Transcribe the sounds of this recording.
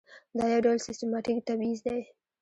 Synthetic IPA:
d̪ɑjawɖawlsɪstɪmɑʈikt̪abizd̪aj

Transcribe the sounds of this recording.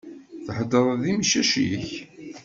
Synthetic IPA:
θəħəd̪əɾˤðimʃæʃiç

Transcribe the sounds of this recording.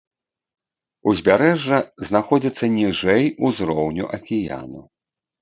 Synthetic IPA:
uzʲbʲaɾɛʐːɐznaxɔd͡zʲit̪sːɐnʲiʐɛjuzɾɔwnʲṵʔɐkʲija̰nṵ

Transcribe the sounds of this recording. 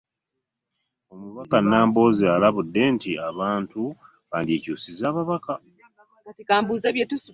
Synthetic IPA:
o̞muβakanːaːmbo̞ːzialaβudːe̞ntiaβaːntu | βaːndieːcuːsizaːβaβaka | katikaːmbuːzaβjetusu

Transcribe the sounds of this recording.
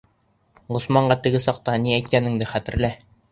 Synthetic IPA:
ʁŏsmɑɴɢɑt̪ɘ̆ɡɘsɑq̚t̪ɑniæjt̪̚kænɘ̆ŋd̪ɘχæt̪ɘ̆ɾlæ

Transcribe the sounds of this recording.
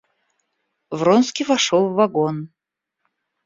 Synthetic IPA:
vronskʲivɐʂolˠvːɐɡon

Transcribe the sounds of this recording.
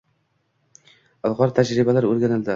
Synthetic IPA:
alˠʁɒɾt̪ʰad͡ʒɾɪbalaɾoɾɡʲanɪld̪ɪ

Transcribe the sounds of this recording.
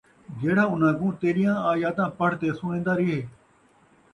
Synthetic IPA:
d͡ʒeːɽaːʊnãːɡũːt̪eːɾɪjãːaːjaːt̪ãːpəɽ̤t̪eːsʊnẽːnd̪aːɾɪɦeː

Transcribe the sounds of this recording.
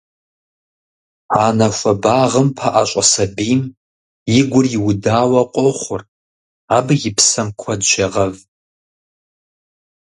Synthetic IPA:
aːnɐxʷɐbaːʁəmpʰaʔaɕʷʼɐsɐbiːm | jɪɡʷʊrjɪwʊdaːwɐqʷʼɔχʷʊr | aːbjɪpʰsɐmkʷʰɐdʒɐʁɐv

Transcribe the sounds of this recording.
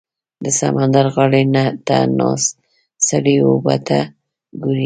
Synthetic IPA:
d̪əsamand̪aɾɣɑɽenat̪a̰nɑsː | aɽeobat̪a | ɡuɾi

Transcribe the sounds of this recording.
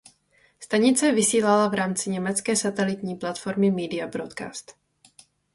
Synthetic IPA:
st̪aɲɪt͡sɛvɪsiːlalavɾaːmt͡sɪɲɛmɛt͡skɛːsat̪ɛlɪt̪ɲiːplat̪fo̞ɾmɪmiːdɪabɾot̪ka̰ːst̪

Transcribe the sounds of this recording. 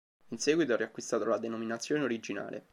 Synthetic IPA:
insɛːɡwit̪oɛriakːwist̪aːt̪olad̪enominat̪sːjoːneoɾid͡ʒina̰ːlʔḛ

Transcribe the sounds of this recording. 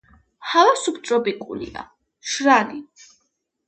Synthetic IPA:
halasup̚ʰt̪sʼɔbikʼṵlḭa̰ | ʃɾani

